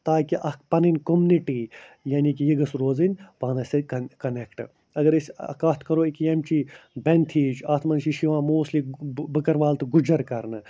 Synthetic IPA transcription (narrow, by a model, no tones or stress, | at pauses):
t̪aːkiʔɐk̚ʰpɐninʲkomniʈiː | jaːnʲikijiɡɐsɾoːzɨnʲʋaːnɐsekɐkɐnekʈ | ɐɡɐɾisɐ̰kaːt̪ʰkɐɾoːikjemt͡ʃibɐnt̪ʰiːd͡ʒaːt̪ʰmɐnʃiʃiʋãːmoːslibɨkɐɾʋaːlt̪ɨɡud͡ʒɐɾkɐɾnɨ